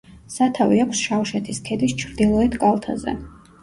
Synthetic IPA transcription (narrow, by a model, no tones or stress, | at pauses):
sat̪ʰaviakʷʰsʃawʃɛt̪ʰiskʰɛd̪ist͡ʃʰɾd̪ilˠɔɛt̪ʰkʼalˠt̪ʰa̰zɛ̰